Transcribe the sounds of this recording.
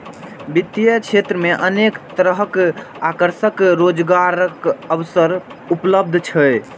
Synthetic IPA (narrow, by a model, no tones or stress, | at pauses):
bit̪jət͡ʃʰet̪ɾəmeʔənekt̪əɾəɦək | akəɾsəkɾod͡ʒɡaɾəkəwsəɾ | upləb̚d̪ʱt͡ʃʰə